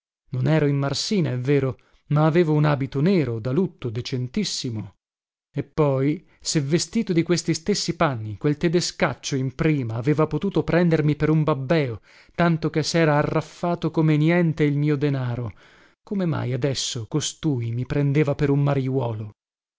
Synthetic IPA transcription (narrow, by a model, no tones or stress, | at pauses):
nonɛːɾoimːarsiːnaɛvːeːɾo | maːveːvounaːbit̪oneːɾod̪alut̪ːod̪et͡ʃent̪isːimo | epːɔj | sevːest̪iːt̪od̪ikwest̪ist̪esːipanːikwelt̪ed̪eskat͡ʃːoimpɾiːmaːveːvapot̪uːt̪opɾɛnd̪ermipeɾumbabːɛːo | t̪ant̪okesɛːɾaːrːafːaːt̪okomenjɛnt̪eilmiːod̪enaːɾo | komema̰jad̪ɛsːokost̪uːjmipɾend̪eːvapeɾumːaɾjwɔːlo